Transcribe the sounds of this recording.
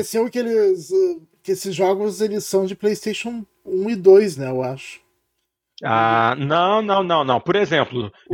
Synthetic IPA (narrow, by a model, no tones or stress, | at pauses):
ɛsĩʊkɪelɪz | kɪesɪzʒɔɡʊzelɪsːɐ̃w̃d͡ʒɪplejst̪eʃõw̃ | ũɪd̪ojz̬nɛewaʃʊ̥ | anɐ̃w̃nɐ̃w̃nɐ̃w̃nɐ̃w̃poɾezẽmplʊ